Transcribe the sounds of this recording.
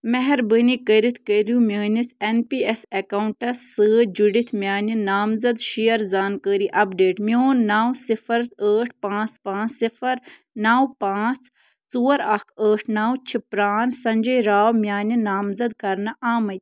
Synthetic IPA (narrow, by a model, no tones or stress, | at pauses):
mɛɦɛɾbənikəɾit̪ʰkəɾumʲjəːnisenpiesekauɳʈɐsːɨːd͡ʒuɖit̪ʰmʲjaːninaːmzɐd̪ʃijɐɾzaːnkəːɾiʔɐpɖeːʈmʲjoːnːaːwsifɐɾəːʈ̚ʰpãːt͡spãːt͡ssifɐɾ | naːwpãːt͡s | t͡suːɐɾɐkʰəːʈʰnaːwt͡ʃʰipɾaːnsɐɲd͡ʒɐjɾaːwmjaːninaːmzɐd̪kɐɾnɐʔaːmɐt̪ʰʲ